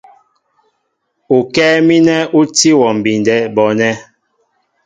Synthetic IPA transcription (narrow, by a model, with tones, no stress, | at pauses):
u˨kɛː˦mi˦nɛ˦u˦ti˦wɔ˨m̩˨bi˨ndɛ˦bɔ˨nɛ˦